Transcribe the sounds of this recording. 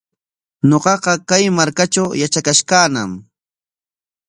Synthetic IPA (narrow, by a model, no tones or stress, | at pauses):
ɲoqɑqɑkajmaɾkat͡ʃawjat͡ʃakaʃkaːnam